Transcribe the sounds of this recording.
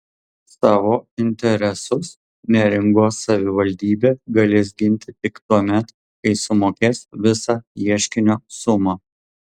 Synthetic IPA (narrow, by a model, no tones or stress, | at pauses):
sɑːʋoːɪnʲt̪ʲɛɾʲɛsʊs | nʲɛɾʲɪŋɡoːsɐʋʲɪʋɐlʲd̪ʲiːbʲeːɡɐlʲeːs̬ɡʲɪnʲt̪ʲɪt̪ʲɪkt̪uɔmʲɛt̪ | kɐɪsʊmoːkʲeːsʋʲɪsɑːiɛʃʲkʲɪnʲoːsʊmɑː